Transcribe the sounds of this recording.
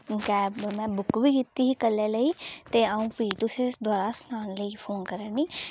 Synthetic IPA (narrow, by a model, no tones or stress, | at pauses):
kɛːbmɛ̃ːbʊkbiːkit̪ːiːɦiːkəlːɛːləiːt̪eːaũːpiːt̪ʊsẽd̪waːɾasnaːnləiːpʰoːnkəɾəːniː